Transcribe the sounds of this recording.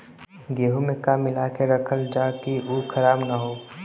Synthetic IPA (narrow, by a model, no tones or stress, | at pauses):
ɡeːɦumẽkamɪlakeɾɐkʰəld͡ʒaːkiuːkʰɐɾaːbnaɦoː